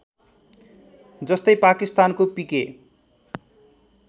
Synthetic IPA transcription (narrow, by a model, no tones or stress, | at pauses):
d͡zʌst̪ʌjpakist̪ankopike